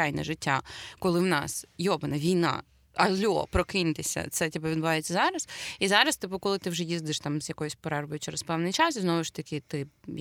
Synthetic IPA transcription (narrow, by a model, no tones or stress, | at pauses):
ajnɛ̰ʒɪtʲːakɔlˠɪwnɑ̰sjɔbɪnɐʋʲijnɑ̰ | ɐlʲːɔ̰pɾɔkɪnt̪ɪsʲɐ̰t̪sɛtʲibɛʋʲd̪bʊʋɑjet͡sʲːɐzɑɾɐsizɑɾɐst̪ɪpʊkɔlˠɪt̪ɪwʒɛjizd̪ɪʃt̪ɑmzjɐkɔjʊsʲpɔɾɑrbɔjʊt͡ʃɛɾɛspɛwnɪjt͡ʃɑsiznɔʋʊʃt̪ɐkʲɪt̪ɪ